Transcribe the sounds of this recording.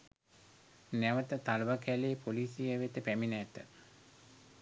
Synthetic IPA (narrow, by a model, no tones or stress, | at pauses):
næʋət̪ət̪alʋakæleːpoliːsijəʋet̪əpæminæt̪ə